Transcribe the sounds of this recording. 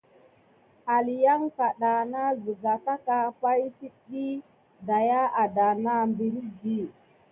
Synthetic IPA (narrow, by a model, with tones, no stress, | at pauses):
a˨li˨ja˦ŋka˨ɗa˨na˦zi˨ɡa˨ta˦ka˦pa˦jsi˦ɗi˦ | da˨ja˦a˨da˨na˦mbi˨ɾi˦d͡ʒi˦˨